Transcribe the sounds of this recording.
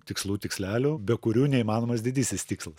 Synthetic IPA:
t̪ʲɪkslˠuːt̪ʲɪksʲlʲæːlʲubʲɛkʊɾʲuːnʲɛiːmɑːnoːmɐsd̪ʲɪd̪ʲisʲɪsʲt̪ʲiːkslˠɐs

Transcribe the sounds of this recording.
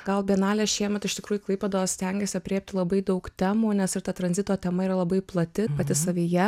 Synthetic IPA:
ɡ̥ɐlˠbʲɛnɑːlʲeːsʃʲiɛmʲɛt̪ɪʃt̪ʲɪkɾuːjʊklˠɐɪpʲɛd̪oossʲt̪ʲɛŋʲɡʲɛsʲɪɐpʲɾʲeːp̚ʲt̪ʲɪlˠɐbɐɪd̪ɐʊkt̪ʲæːmuːnʲɛsɪɾt̪ɐt̪ɾɐnzʲɪt̪oːt̪ʲɛmɐiːɾɐlˠɐbɐɪplˠɐt̪ʲɪpɐt̪ʲɪsɐʋʲiːjɛ

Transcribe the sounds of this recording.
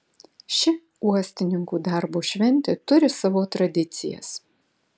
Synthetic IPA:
ʃʲɪ | uɔsʲt̪ʲɪnʲɪŋkuːd̪ɑˑɾboːʃʲʋʲɛnʲt̪ʲet̪ʊɾʲɪsɑʋoːt̪ɾɐd̪ʲɪt̪sʲɪ̰jɛ̰s

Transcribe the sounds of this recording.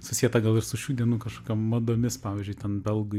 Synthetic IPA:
sʊsʲiːɛt̪ɐɡɐlˠɪɾsʊʃʲuːd̪ʲiɛnuːkɐʃkoːkʲɛmmɐd̪oːmʲɪspɑːʋʲizʲd͡ʒʲʊɪt̪ʲɛnbʲɛlˠɡʊ

